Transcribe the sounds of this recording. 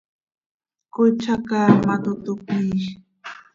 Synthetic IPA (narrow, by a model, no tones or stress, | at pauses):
kʊt͡ʃakaːmat̪ʊt̪ʊkiʃ